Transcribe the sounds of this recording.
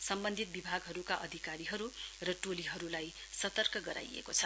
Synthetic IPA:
sʌmbʌnd̪ʱit̪̚bibʱaɡɦʌɾukaʔʌd̪ʱikaɾiɦʌɾurʌʈoliɦʌɾulajsʌt̪ʌrkʌɡʌɾa̰jḛkot͡sʰʌ

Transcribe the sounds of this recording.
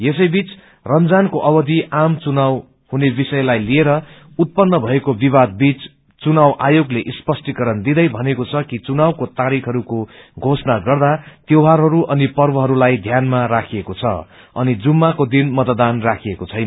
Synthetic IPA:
jesʌjbit͡s | rʌnd͡zankoʔʌbʌd̪ʱiʔamt͡sunaw | hunebisʌjlajlieɾʌ | ut̪̚pʌnːʌbʱʌekobiβad̪̚bit͡s | t͡sunawʔajoɡleʔispʌsʈikʌɾʌnd̪id̪ʌjbʱʌnekot͡sʰʌkit͡sunawkot̪aɾikʰɦʌɾukoɡʱosnaɡʌrd̪at̪jewɦaɾɦʌɾuʔʌnipʌrbʌɦʌɾulajd̪ʱjanmarakʰiekot͡sʰʌ̰ | ʌnid͡zumːakod̪inmʌt̪d̪anrakʰiekot͡sʰʌjn

